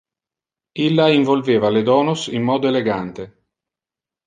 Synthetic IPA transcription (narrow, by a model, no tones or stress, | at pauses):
ilːaiɱvolveːvaled̪ɔːnosimːɔːd̪oeleɡant̪e